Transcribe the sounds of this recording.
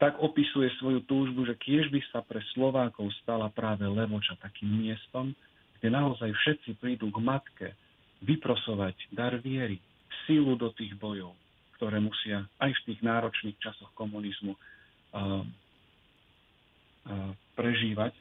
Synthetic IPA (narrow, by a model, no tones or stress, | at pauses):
t̪aɡɔpisujɛsʋɔjut̪uːʒbuʒɛkɪɛʒbisapɾɛslɔʋaːkɔʊst̪alapɾaːʋɛlɛʋɔt͡ʃat̪akiːmːɪɛst̪ɔm | ɡ̥ɟɛnaɔzajfʃɛt̪t͡sipɾid̪uːɡmat̪kɛ | ʋipɾɔsɔʋaɟd̪aɾʋɪɛɾi | fsilud̪ɔt̪iːɣbɔjɔʊ | kt̪ɔɾɛːmusɪaajft̪iːɣnaːɾɔt͡ʃniːxt͡ʃasɔxkɔmunizmu | pɾɛʒiːʋac